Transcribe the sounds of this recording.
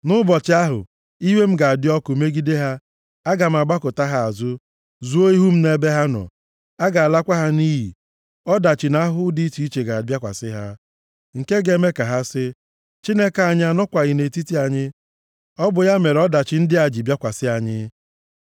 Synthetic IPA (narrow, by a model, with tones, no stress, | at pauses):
nʊ˦bɔ˨t͡ʃɪ˦a˦ɦʊ̰˨ | i˦ɦe˦m̩˦ɡa˨a˨dɪ˦ɔ˦kʊ˨me˦ɡi˦de˦ɦa˦ | a˦ɡa˨m̩˨a˨ɡ͡ba˦kʊ˨ta˦ɦa˨a˨zʊ˦ | zu˦o˦i˦ɦu˦m̩˦ne˦be˦ɦa˦nɔ̰˨ | a˦ɡa˨a˨la˦kʷa˦ɦa˦ni˦ɦḭ˨ | ɔ˦da˨t͡ʃɪ˨na˦ɦʊ˦di˦ti˦i˦t͡ʃe˨ɡa˨a˨bja˦kʷa̰˨sɪ˦ɦa˦ | ŋ̩˨ke˦ɡe˨me˦ka˨ɦa˦sɪ˦ | t͡ʃi˦ne˦ka˨a˨ɲ˦a˨nɔ˦kʷa˨ɣɪ˨ne˨ti˦ti˦a˨ɲɪ˦ | ɔ˦bʊ˨ja˦me˨ɾɔ˦da˨t͡ʃɪ˨n̩˦dɪ˦a˨d͡ʒi˨bja˦kʷa˨sɪ˦a˨ɲɪ˦